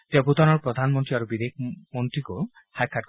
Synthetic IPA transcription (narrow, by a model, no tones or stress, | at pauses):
t̪ebut̪ɔnɔɹpɾɔd̪ʱanmɔnt̪ɾiaɾubid̪ek̚ʰmɔnt̪ɾiko | hajkʰaʈ̚